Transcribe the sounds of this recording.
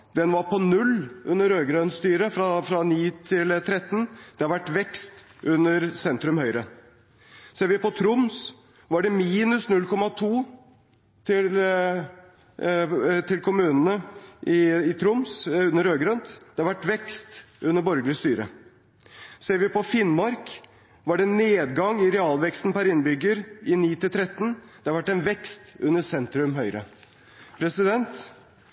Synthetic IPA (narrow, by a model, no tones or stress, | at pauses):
d̪ɛnʋɑɾpʰɔnʉlʔʉnːəɾøːɡɾœnt̪st̪yːɾəfɾɑfɾɑniːt̪ʰɪlt̪ʰɾɛt̪ːnd̪̥ɛhɑɾʋæʈːʋɛkst̪ʔʉnːəɾsɛnt̪ɾʉmhœʏɾə | seːɾʋɪpɔt̪ʰɾʊms | ʋɑɖɛmiːnʉsnʉlkʰɔmɑt̪ʰuː | t̪ʰɪl | t̪ʰɪlkʰʊmʉːnənəʔɪɪt̪ʰɾʊmsʉnːəɾøːɡɾɑnt̪d̪ɛɑɾʋæʈːʋɛkst̪ | ʉnːəɾbɔɾɡlɪst̪yːɾə̰ | seːɾʋɪpɔfɪnmɑɾk | ʋɑɖɛnːeːd̪ɡɑŋɪɾɛɑːlʋɛkst̪n̩pæɾɪnːbʏɡːəɾɪniːt̪ɪlt̪ɾɛt̪ːn̩d̪̥ɛɑɾʋæʈːɛɪnʋɛkst̪ʉ̰nːəsɛnt̪ɾʉmɦœʏɾə̰ | pʰɾɛsɪd̪ɛnt̪